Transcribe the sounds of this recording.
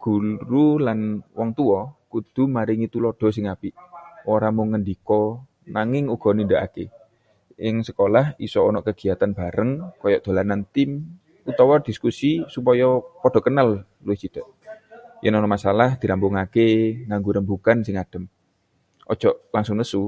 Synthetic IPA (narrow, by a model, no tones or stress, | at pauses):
ɡ̥uɾulanwɔŋt̪uɔkud̪̥ṳmaɾɪŋit̪ulɔɖ̥ɔ̤s̬ɪŋapiʔoɾamoŋəndikɔ | naŋɪŋuɡ̥ɔ̤nindaʔa̰kḛ | jɪŋsəkolahisɔɔnɔʔkəɡ̥i̤at̪anb̥a̤ɾəŋkɔjɔʔd̪̥a̤lanant̪ɪm | ut̪ɔwɔrd̪̥iskusisupɔjɔpɔɖ̥ɔ̤kənal | luɪht͡ʃid̪̥a̤ʔ | jʔənɔnɔʔmasalahd̪̥iɾambʊŋakeŋaŋɡuɾənbukansɪŋad̥ə̤m | ʔɔ̰d̥d͡ʒ̥ɔʔlaŋsʊŋnəsu